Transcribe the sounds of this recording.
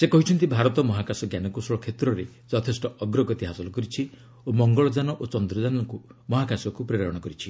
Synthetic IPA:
sekɔɦit͡ʃʰɔnt̪ibʱaɾɔt̪ɔmɔɦakasɔɡjanɔkusɔɭɔkʰet̪ɾɔɾe | d͡ʒɔt̪ʰesʈɔɔɡɾɔɡɔt̪iɦasɔlɔkɔɾit͡ʃʰi | omɔŋɡɔɭɔd͡ʒanɔʔot͡ʃɔnd̪ɾɔd͡ʒanɔkumɔɦakasɔkupɾiɾɔɾɔɽɔkɔɾit͡ʃʰi

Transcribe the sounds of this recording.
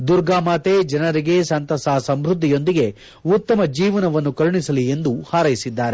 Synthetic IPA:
d̪uɾɡaːmaːt̪ed͡ʒɐnɐɾiɡe̞sɐnt̪ɐsaːsɐmbɾud̪ʱːijo̞nd̪iɡe̞ | ut̪ːɐmɐd͡ʒiːʋɐnɐʋɐnːukɐɾɳisɐlie̞nd̪uhaːɾɐjisid̪ːaːɾe

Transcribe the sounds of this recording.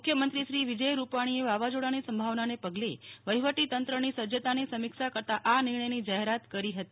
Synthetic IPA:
ukʰjəmənt̪ɾiʃɾiʋid͡ʒəjɾupaɽ̃ieʋaʋad͡ʒoɽanisəmbʱaʋnanepəɡleʋəjʋəʈit̪ənt̪ɾənisəd͡ʒət̪anisəmikʃakəɾt̪aʔanɪɾɳ̃əjnid͡ʒaɦeɾat̪kəɾiɦət̪i

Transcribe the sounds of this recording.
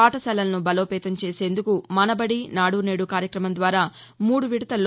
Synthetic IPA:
aːʈɐsɐlɐlɐnubɐlo̞ːpɛːt̪ɐmt͡ʃe̞ːse̞ːnd̪ukumɐnɐbɐɽinaːɽune̞ːɽukaːɾjɐkɾɐmɐnd̪ʋaːɾaːmuːɽuʋiɽɐt̪ɐlː

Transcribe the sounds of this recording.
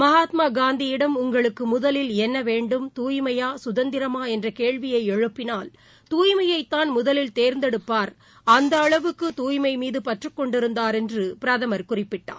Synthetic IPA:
mɐɦaːt̪maːɡaːnd̪ijɪɽɐmʊŋɡɐɭɯkːɯmʊðɐlɪlɛnːɐʋeːɳɖɯmt̪uːjmɐjaːsʊðɐnd̪ɪɾɐmaːɛndrɐkeːɻʋɪjɐɪɛɻɯpːɪnaːl | t̪uːjmɐjɐɪt̪ːaːnmʊðɐlɪlt̪eːɾnd̪ɛɽɯpːaːɾ | ɐnd̪ɐːɭɐʋɯkːɯt̪uːjmɐɪmiːðɯpɐʈrɯkːɔɳɖɪɾɯnd̪aːɾɛndrɯpɪɾɐðɐmɐɾkʊrɪpːɪʈːa̰ː

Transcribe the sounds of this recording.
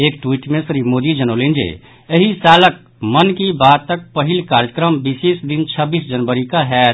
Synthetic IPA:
ekʈwiʈmẽsɾimod̪id͡ʒənolend͡ʒḛ | əɦisalək̚ | mənkibad̪̚t̪ːək̚pəɦilkaɾjəkɾəmbisesd̪int͡ʃʰəbisd͡ʒənbəɾikaɦɛ

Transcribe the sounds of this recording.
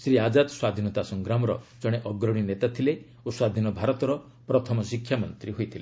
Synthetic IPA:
sɾiad͡ʒad̪swad̪ʱinɔt̪asɔŋɡɾamɔɾɔ̰d͡ʒɔɽ̃eʔɔɡɾɔɽ̃inet̪at̪ʰile | oswad̪ʱinɔbʱaɾɔt̪ɔɾɔ | pɾɔt̪ʰɔmɔsikʰːjamɔnt̪ɾiɦojt̪ʰile

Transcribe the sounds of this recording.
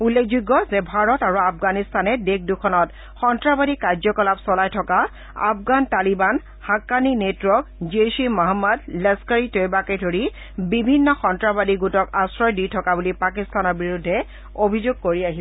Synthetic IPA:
ulːekʰzuɡːɔzɛbʱaɹɔtaɹuafɡanistʰanɛdekdukʰɔnɔt | xɔntɹabadikaɹzɔkɔlapsɔlajtʰɔka | a̰fɡantaliban | hakːaninetɹɔk̚d͡ʒiesimɔɦamːadlɛskaɹitojbakejdʱoɹi | bibʱinːɔxɔntɹabadiɡutɔkasɹɔjdijtʰɔkabulipakistʰanɔɹbiɹudʱːɛ | obʱizoɡ̚koɹiaɦisɛ

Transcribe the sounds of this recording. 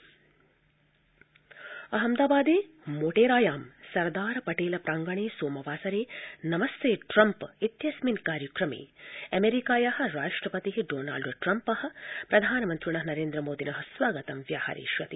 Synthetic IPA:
ɐɦɐmd̪aːbaːd̪eː | moːʈeːɾaːjaːmsɐɾd̪aːɾɐpɐʈeːlɐpɾaːŋɡɐɳeːsoːmɐʋaːsɐɾeːnɐmɐst̪ʰeːʈɾɐmpit̪jɐsminkaːɾjɐkɾɐmḛːɐmeɾikaːjɐɦɐ̆ɾaːʂʈɾɐpɐt̪iɦiɖoːna̰ːlɖʈɾɐmpɐhɐ̆pɾɐd̪ʱaːnɐmɐnt̪ɾuɳɐɦɐnɐɾeːnd̪ɾɐmoːd̪inɐɦɐsʋaːɡɐt̪ɐmʋjaːha̰ːɾḭːʃʋɐt̪i

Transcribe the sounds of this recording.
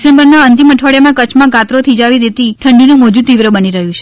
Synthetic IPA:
sẽmbəɾnaənt̪̬iməʈʰʋaɭjamãkət͡ʃʰmãɡãt̪ɾot̪ʰid͡ʒaʋid̪et̪iʈʰəɳɖinũmod͡ʒut̪iʋɾəbəniɾəɦjũt͡ʃʰe̥

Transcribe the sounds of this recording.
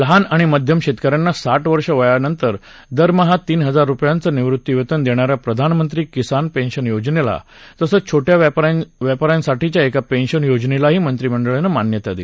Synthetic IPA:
lɦanaɽ̃iməd̪ʱjəmɕet̪kəɾjanːasaʈʋəɾʂəʋəjanənt̪əɾ | d̪əɾməɦat̪iːnɦəd͡zaɾːupjant͡səniʋɾut̪ːiʋet̪ənd̪eɽ̃aɾjapɾəd̪ʱanmənt̪ɾiːkisanpenɕənjod͡znela̰ | t̪əsəːt͡ɕʰoʈjaʋjapaɾjansaʈit͡ɕjaekapenɕənjod͡znelaɦiːmənt̪ɾiməɳɖəɭenəmanjət̪ad̪ile

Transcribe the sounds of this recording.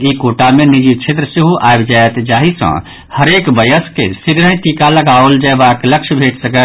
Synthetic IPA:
ikoʈamenid͡ʒit͡ʃʰet̪ɾəsiɦuʔaebd͡ʒaet̪d͡ʒaɦisə̰̃ | həɾekbəjəskḛsiɡɾə̃ɦĩʈikaləɡaold͡ʒəjbakləkt͡ʃʰbʱeʈsəkə

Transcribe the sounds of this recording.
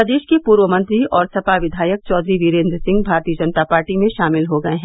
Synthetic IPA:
d̪eːʃkepuːɾʋəmɐ̃nt̪ɾiɔːɾsɐpaʋɪd̪ʱaːjək̚t͡ʃɔːd̪ɾiʋiːɾẽːnd̪ɾsɪ̃ŋɡbʱaːɾt̪iːəd͡ʒɐnət̪apaːɾʈimẽʃaːmɪlɦoɡɐeɦɛ̃ː

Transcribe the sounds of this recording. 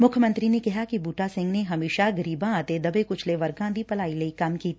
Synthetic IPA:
mʊkʰjəmə̃nt̪ɾinekɐɦakibuːʈasɪ̃ŋɡneɦɐmeːʃaɡɐɾiːbãaːt̪ed̪ɐbekʊt͡ʃʰleʋɐɾɡãːd̪ʱipɐlaːilɐikaːmkiːt̪

